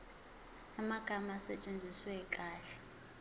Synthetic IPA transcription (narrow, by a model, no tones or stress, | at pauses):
amaɡ̥ʱamasɛt͡ʃʼend͡zʱiswɛkʼaːɬɛ̥